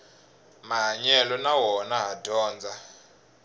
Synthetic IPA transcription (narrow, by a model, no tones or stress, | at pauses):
maɦaɲɛlɔnawɔnaɦadʱɔːnd͡zʱa